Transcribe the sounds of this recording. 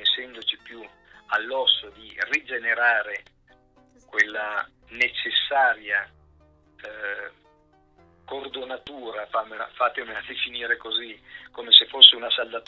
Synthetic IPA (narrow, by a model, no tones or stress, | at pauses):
esːɛnd̪ot͡ʃipju | alːɔsːod̪irid͡ʒeneɾaːɾe | kwelːa | net͡ʃesːaːɾja | kord̪onat̪uːɾafamea̰fat̪emead̪efiniːɾekozikomesefosːeunasald̪at̪